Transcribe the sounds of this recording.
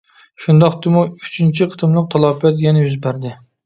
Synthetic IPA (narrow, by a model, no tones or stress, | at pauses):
ʃund̪ɑqd̪ɨmuyt͡ʃʰynt͡ʃʰiqʰə̥ɨ̥t̪ʰɨmlˠəq̚t̪ʰɑlˠɑpɛt̪jɛnɛjyzbæɾd̪ɪ